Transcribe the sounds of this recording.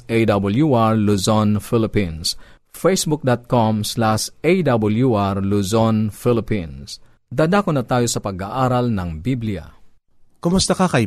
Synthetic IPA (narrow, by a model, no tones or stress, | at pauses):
ʔejd̪ɐbɐljuʔaɹluzonfɪlɪpĩns | fɛjsbʊk̚d̪ɐt̪̚komslaʃejd̪ɐbɐljuʔaɹluzonfɪlɪpins | d̪aːd̪aːkonɐt̪aːjo̞sɐpɐɡaʔaːɾɐlnɐŋbiblɪjɐ̰ | kʊmʊst̪ɐkɐkɐj